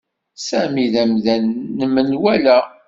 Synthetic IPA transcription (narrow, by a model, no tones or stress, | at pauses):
sæmiðæmðænːəmənwælæ